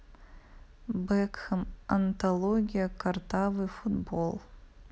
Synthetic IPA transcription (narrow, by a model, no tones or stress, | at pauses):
bɛkxɨmɐnt̪ʰɐlˠoɡʲijɐkʰɐrt̪ʰavɨfut̪bolˠ